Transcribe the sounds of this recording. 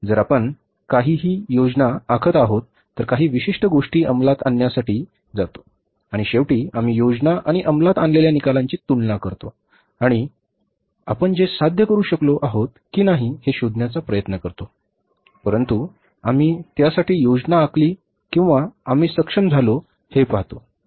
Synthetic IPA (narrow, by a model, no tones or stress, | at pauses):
d͡zəɾapəɳ | kaɦiːɦiːjod͡znaːkʰət̪aɦot̪ːəɾkaɦiːʋiɕiʂʈəɡoʂʈiːʔəmlat̪a̰njasaʈiː | d͡zat̪o̥ | aɽ̃iɕeʋʈiːam̤iːjod͡znaʔaɽ̃iʔəmlat̪anleljanikalãɲt͡ɕiːt̪uɳlakəɾt̪o | aɽ̃i | a̰pəɳd͡ʑesad̪ʱjəkəɾuːɕəkloʔaɦot̪̚kiːnaɦiheɕod̪njat͡sapɾəjət̪nəkəɾt̪o | pəɾənt̪u | am̤iːt̪jasaʈiːjod͡znaːkʰliː | kĩw̃ʋaam̤iːsəkʂəmd͡zʱalo | hepaɦt̪o